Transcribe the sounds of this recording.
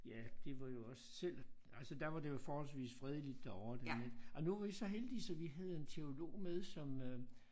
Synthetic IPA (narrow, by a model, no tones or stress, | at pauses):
jæd̥e̝ʋɑ̈jo̝ɒ̽ssel̰ | ælsəd̥æɐʋɑ̈d̥e̝jfɒːhɒ̽lsʋḭːsfʁɛð̞ˠəlid̥ːæɒʊɐd̥ened̥ɒ̽nuʋɑ̈ʋisɒ̽ɦeld̥isɒ̽ʋiɦæð̞ˠe̝nt͡sʰe̝o̝lo̝̰ːmeð̞ˠsɒ̽mø